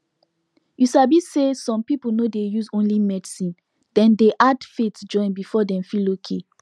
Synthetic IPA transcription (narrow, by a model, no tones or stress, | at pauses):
jusabisesɔ̃mpipunodejuzõnlimɛdsĩn | d̥ɛ̃ndeʔadfetd͡ʒɔ̃ɪ̃nbifɔdɛ̃mfilokʰe